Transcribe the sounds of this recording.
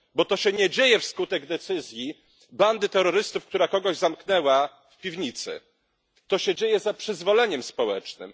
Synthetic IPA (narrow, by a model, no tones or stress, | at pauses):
bɔt̪ɔɕɛɲɛd͡ʑejɛfskut̪ɛɡd̪ɛt̪sɘzʲji | band̪ɘt̪ɛɾɔɾɘst̪ufk̚t̪uɾakɔɡɔʑzamknɛwa | fpʲivɲit̪sɘ̰ | t̪ɔɕɛd͡ʑejɛzapʂɘzvɔlɛɲɛmspɔwɛ̰t͡ʂnɘ̰m